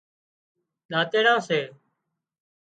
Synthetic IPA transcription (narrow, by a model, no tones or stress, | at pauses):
ɗaːt̪eːɽãːseː